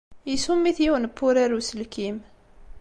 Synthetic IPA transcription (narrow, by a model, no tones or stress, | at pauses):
jisumːiθjiwənəpːʊɾæɾusəlkim